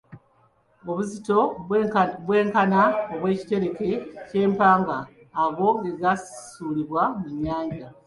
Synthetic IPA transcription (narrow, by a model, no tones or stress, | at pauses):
oβuzito̞ | βweːŋkanaoβwe̞ːci̥te̞ɾe̞ke̞ce̞ːmpaːŋɡaː | ɣo̞ŋeɡasi̥suːliβwamuɲːaːɲɟa